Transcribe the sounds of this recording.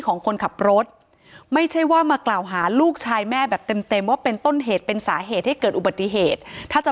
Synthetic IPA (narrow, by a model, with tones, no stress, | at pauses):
kʰɔː˩˦ŋkʰo˧nkʰa˨˩p̚ɾo˦˥t̪̚ | ma˥˩jt͡ɕʰa˥˩jwaː˥˩maː˧klaː˨˩wɦaː˩˦luː˥˩k̚t͡ɕʰaː˧jmɛː˥˩bɛː˨˩p̚t̪e˧mt̪e˧mwaː˥˩pe˧nt̪o˥˩nɦeː˨˩t̪̚pe˧nsaː˩˦ɦeː˨˩t̪̚ha˥˩jkɤː˨˩t̪̚ʔu˨˩ba˨t̪ːi˨ɦeː˨˩t̪̚ʰːaː˥˩t͡ɕa˨˩